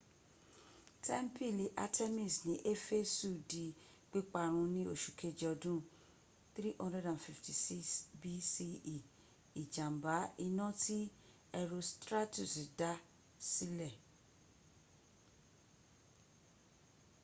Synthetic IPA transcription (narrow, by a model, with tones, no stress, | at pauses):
tʰɛ˦m˦pi˦˨li˨ʔa̰˧tʰe˦mi˦˨snĩ˨˦ʔe˦fe˦su˦˨di˨ | k͡pi˦k͡pa˧ɾ̃ũ˧nĩ˦o˦˨ʃu˨kʰe˦d͡ʒɔ˧dũ˦ | θɾi˦ʔɔ̃˦ndɛ˦dã˨nfi˨fti˨si˦sbi˦si˧i˨ | i˨d͡ʒã˨m˨ba˨˦i˧nɔ̃˦tʰi˦ | ɛ˧ɾo˧stɾa˦tu˦˨si˨da˨˦ | si˦lɛ˦˨